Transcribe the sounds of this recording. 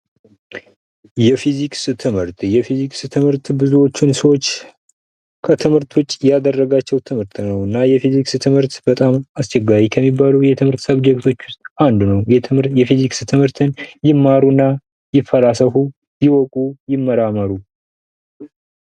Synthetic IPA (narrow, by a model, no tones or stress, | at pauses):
jɛfiziksɨt̪ʰɨmhɨɾt̪jɛfizikst̪ʰɨmhɨɾt̪bɨzuwo̞t͡ʃːɪnsəwo̞t͡ʃː | kʰət̪ʰɨmhɨɾt̪ʰwʊt͡ʃʼːjad̪ərːəɡat͡ʃːɛwt̪ʰɨmhɨɾt̪nəwɨnːajɛfizikst̪ʰɨmhɨɾt̪b̥ət̪ʼamast͡ʃɛɡːaɾikʰəmːibːalujɛt̪ʰɨmhɨɾt̪səβd͡ʒɛkt̪ʰo̞t͡ʃːwʊst̪ʼand̪unəwjɛjɛfizikst̪ʰɨmhɨɾt̪ʰɨnjɪmːaɾunːa | jɪfːəɾasəhu | jɪwɔkʼujɪmːəɾaməɾu